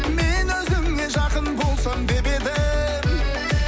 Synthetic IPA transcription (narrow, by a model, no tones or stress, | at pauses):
menɵzɪmne̞ʒɑqənbo̞lˠsəmd̪e̞be̞d̪ɪ